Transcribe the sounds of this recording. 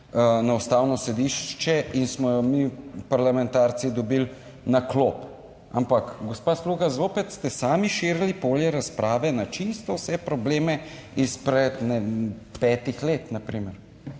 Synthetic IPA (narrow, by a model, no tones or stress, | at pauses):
ənaust̪awnɔsɛd̪iʃt͡ʃɛinsmɔjɔmiːpaɾlamɛnt̪aːɾsid̪ɔbil | naklop | a̰mpakɡospaːsluɣazoːpɛt̪st̪ɛsaːmiʃeːɾlipoːljɛɾaspɾʔaːʋɛnat͡ʃist̪ɔwsɛpɾɔbleːmɛispɾɛd̪nɛpɛːt̪ixleːt̪napɾiːməɾ